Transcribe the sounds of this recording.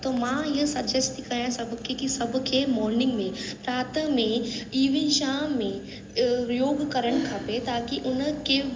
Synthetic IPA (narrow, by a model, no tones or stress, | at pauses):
t̪oːmãɪɦə̃sɐd͡ʒɐst̪ikɐjãsɐbʱkʰekisɐbʱkʰemɔːɾnɪ̃ŋɡmẽpɾaːt̪əmẽiːʋĩʃaːmẽ | ɾjoːɡkɐɾəɽ̃kʰaːpet̪aːkiʔʊnə̆ke